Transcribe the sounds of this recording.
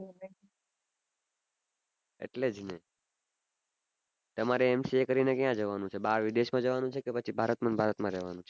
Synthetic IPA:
ḛʈled͡ʒne | t̪əmaɾeːmsiekəɾinekjãd͡ʒəʋanũt͡ʃʰebaɾʋid̪eʃmãd͡ʒəʋanũt͡ʃʰekepət͡ʃʰibʱaɾət̪mãnbʱaɾət̪mãɾɛʋanũt͡ʃʰe̥

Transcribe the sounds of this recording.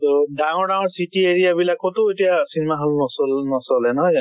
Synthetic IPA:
todaŋɔɹdãŋɔɹsitieɹijabilakɔtʊetijasinemaɦalnɔsɔlnɔsɔlɛnɔɦɔj

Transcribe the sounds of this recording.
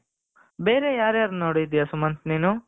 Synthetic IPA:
beːɾejaːɾjaːɾnoːɽid̪ijɐsumɐnt̪niːnu

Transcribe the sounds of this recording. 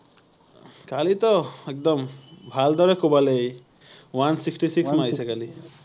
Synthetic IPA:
kalit̪ɔek̚d̪ɔmbʱald̪ɔɾɛkobalej | wansiksʈisiksmajsɛkali

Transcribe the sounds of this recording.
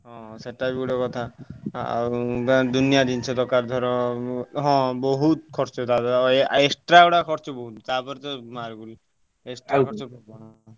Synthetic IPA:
ɦɔ̃seʈabiɡuɽɔkɔt̪ʰa | d̪unijad̪int͡ʃʰɔd̪ɔkaɾd̪ʱɔɾɔ̃ɦɔ̃bɔɦut̪kʰɔɾt͡ʃɔt̪aeeksʈɾaɔɽakʰɔɾt͡ʃɔbɔɦut̪t̪apɔɾt̪ɔmaɾɡul | esʈɾakʰɔɾt͡ʃɔpɔɦɔ̃

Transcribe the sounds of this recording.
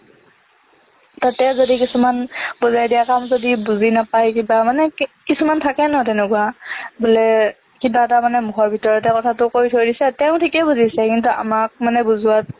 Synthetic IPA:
tatɛzodikisumanbuzajdijakamzodibuzinapajkibamanɛkisumantʰakɛnɔtɛnɛkuabulɛ | kibatamanɛmuɦɔɹbʱitɔɹɔtɛkɔtʰatʊkoɹitʰoɹidisɛtɛʊ̃tʰikɛbuzisɛkintuʔa̰mak̚manɛbuzuwat̚

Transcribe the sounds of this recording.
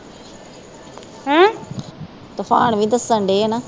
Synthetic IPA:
ɦãː | t̪ʊpʰa̰ːɳʋĩːd̪əsəɳɖeːeːnaː

